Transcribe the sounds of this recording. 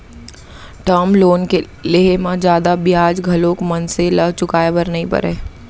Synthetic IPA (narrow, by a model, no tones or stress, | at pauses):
ʈəːmloːnke | leɦemãd͡ʒjaːd̪abɪjaːd͡ʒɡʱɐloːkmɐnseləbt͡ʃʊkaːebəɾnəɦĩpɐ̰ɾɛː